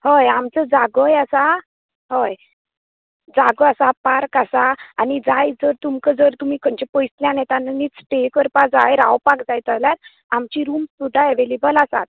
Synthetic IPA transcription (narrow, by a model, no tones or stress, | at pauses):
həjamt͡səd͡zaɡəjasa | həj | d͡zaɡəasapaɾkasaːnid͡zajd͡zəɾt̪umkəd͡zəɾt̪um̤iːkʰəɲt͡ɕepəjsljãnɛt̪anniːt͡sʈekəɾpad͡zajɾa̰wpakd͡zajt̪aljaɾ | amt͡ɕiɾuːmsud̪ʱaeʋelebəlasa̰t̪̚